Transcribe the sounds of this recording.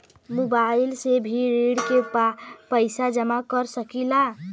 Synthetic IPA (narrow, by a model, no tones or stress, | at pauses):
mobailsebʱiɾeɽkepəjsad͡ʒəmakəɾsəkila